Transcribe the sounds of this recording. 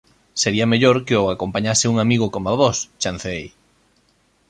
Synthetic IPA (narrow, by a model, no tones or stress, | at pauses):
seɾiameʎoɾkeoakompaɲasɪuŋamiɣ̞okomaβɔst͡ʃanθeej